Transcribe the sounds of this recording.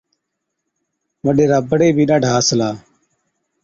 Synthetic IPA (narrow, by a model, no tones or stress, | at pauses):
ʋəɗeːɾaːbəɽeːbʱiːɗaːɖʱaːsəlaː